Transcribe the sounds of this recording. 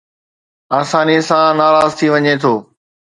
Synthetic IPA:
aːsaːnisãnaːɾaːzt̪ʰiʋɐɲet̪ʰoː

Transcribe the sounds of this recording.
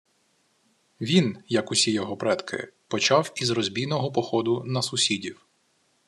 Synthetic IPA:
ʋʲinjɐkʊsʲijɔɦɔpɾɛt̪kʰɪ̰pɔt͡ʃɑwizrɔzʲbʲijnɔɦɔpɔxɔd̪ʊnɐsʊsʲidʲiw

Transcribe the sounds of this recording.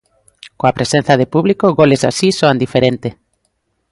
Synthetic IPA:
kõapɾesẽn̟θɐðepuβlikoɣolesa̰sisoand̪ifeɾent̪e

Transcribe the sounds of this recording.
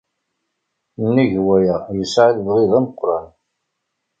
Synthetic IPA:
nːiʝwæjæjəsʕiðbʁiðˤæməqːɾˤɑn

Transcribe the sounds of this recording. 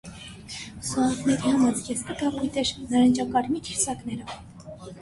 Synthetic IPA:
suɑnkʰnɛɾihɑmɑt͡sɡɛsk̪ət̪ɑʁujt̪ɛɾnəɾɑnt͡ʃɑkɑɾmik̪ʰiɾsɑknɛɾə

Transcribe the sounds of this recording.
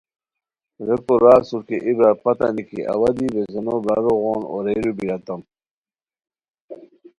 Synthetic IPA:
ɾekoɾaːsuɾkeʔibɾaɾpɐt̪ɐ̰nikiʔɐ̰wad̪ibezenobɾaɾoɣoːno̰ɾeɾubiɾɐt̪ɐm

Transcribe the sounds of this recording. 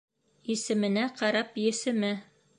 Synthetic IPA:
isɘ̆mɘ̆næqɑɾɑpjɘ̆sɘ̆mɘ

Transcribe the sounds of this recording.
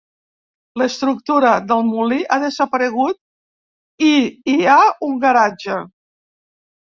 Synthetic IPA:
ləst̪ɾuk̚t̪uɾəðəlˠmuliʔaðəzəpəɾəɣ̞ut̪̚ | iiauŋɡəɾad͡ʒə

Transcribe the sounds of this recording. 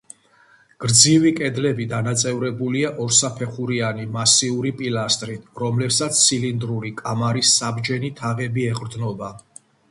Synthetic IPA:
ɡ̥ɾd̪zivikʼɛd̪lɛbid̪anat̪sʼɛvɾɛbuliaʔɔɾsapʰɛχuɾianimasiuɾipʼilast̪ʼɾiɾɔmlɛpsat̪sʰːilind̪ɾuɾikʼamaɾisːabd͡ʒɛnit̪ʰaʁɛbiɛʁʼɾd̪nɔba

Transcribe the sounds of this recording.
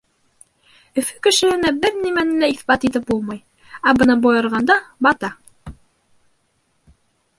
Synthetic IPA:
ɵ̆fɵ̥kɘ̆ʃɘ̆hɘ̆næbɘɾnimænɘlæiθbɑt̪it̪ɘp̚bulˠmɑj | æbɤnɑbojɤ̆ɾʁɑnd̪ɑbɑt̪ɑ

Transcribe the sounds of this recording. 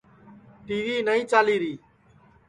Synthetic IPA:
ʈiːʋiːnəĩːt͡ʃaːliːɾiː

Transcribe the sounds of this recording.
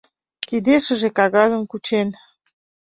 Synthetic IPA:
kid̪eʃə̆ʒekɑɣɑzə̆mkut͡ɕen

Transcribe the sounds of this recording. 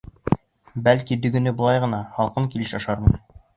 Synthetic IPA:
bælkid̪ɵ̆ɡɘ̆nɘbŏlˠɑjʁɤ̆nɑhɒlˠqɤŋkilɘʃɑʃɑɾmɤ̰j̪

